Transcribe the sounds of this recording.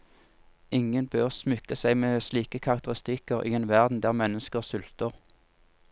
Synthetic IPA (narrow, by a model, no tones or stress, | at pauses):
ɪŋənbøːʁsmʏkəsæɪmeːsliːkəkʰɑʁɑk̚t̪əʁɪst̪ɪkəʁʔḭːeːnʋæʁd̪n̩d̪æːʁmɛnəskəʁsʉlt̪əʁ